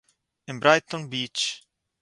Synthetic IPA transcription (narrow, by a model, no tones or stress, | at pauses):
ɪ̃mbɾajt̪ːɔ̃nbiːt͡ʃ